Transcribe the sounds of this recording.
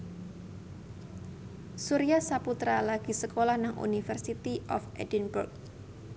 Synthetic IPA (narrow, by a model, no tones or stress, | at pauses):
suɾiahsaput̪ɾalaɡ̥i̤səkolahnaŋʔṵnifərsit̪iʔɔfɛdinbṵrk̚